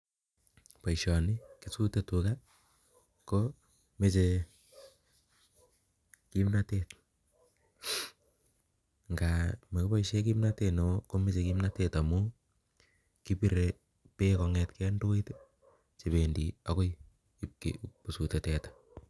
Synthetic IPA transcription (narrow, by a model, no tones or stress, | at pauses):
paiʃɔnɪkisutetuka | ko | met͡ʃe | kimnatet̚ | ŋɡamekɪpaiʃekimnatenokomet͡ʃekimnatetamu | kipiɾe | pekɔŋɛtkɛandoit | t͡ʃeβendiakoj | ip̚kḛpusutetɛtḁ